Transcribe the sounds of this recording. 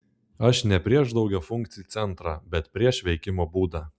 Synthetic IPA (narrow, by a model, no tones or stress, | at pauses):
ɐʃnʲɛpʲɾʲiɛʒd̪ɒʊɡʲɛːfʊŋʲkt̪sʲɪjuːt̪sʲɛnt̪ɾɑːbʲɛt̪pʲɾʲiɛʃʋʲɛɪkʲɪmoːbuːd̪ɑː